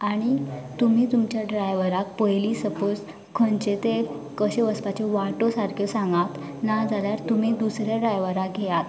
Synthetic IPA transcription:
aɽ̃it̪um̤iːt̪umt͡ɕjaɖɾajʋəɾak̚pəjlisəpos | kʰənt͡ɕet̪ekəɕeʋəspat͡ɕeʋaʈosaɾkʰjɔsãŋɡat̪ | nad͡zaljaɾt̪um̤iːd̪usɾjaɖɾajʋəɾak̚ɡʱejat̪

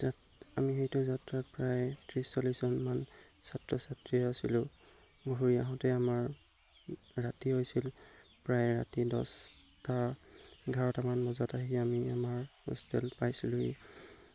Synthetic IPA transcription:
za | amixejtʊzatɹat̚pɹajtʰɹisːɔliszɔnman | satɹɔsatɹiasilʊ | boɦuɹiaɦɔ̃tɛamaɹ | atiɦojsil | pɹajɹa̰tidɔ̰staɡʱaɹɔtamanmɔzɔtaɦiamiamaɹṵstɛ̰lpajsilʊɦḛj

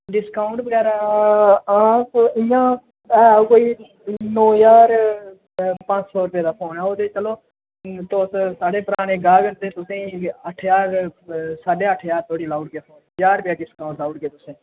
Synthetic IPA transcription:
ɖɪskaːʊɳʈbəɡɛːɾaː | akɪ̃jãː | ɛːkoːiː | noːjaːɾ | pãːt͡ʃsɔːɾʊpjeːd̪aːpʰoːnɛːot̪eːt͡ʃəloː | t̪oːssaːɽeːpəɾaːneːɡaːʋent̪eːt̪ʊsẽːəʈʰjaːɾsaːɖeːəʈʰːjaːɾt̪ʰoːɽiːlaːʈ̚ɡeːpʰoːnjaːɾpjaːɖɪskaːʊɳʈlaːʊʈɡeːt̪ʊsẽː

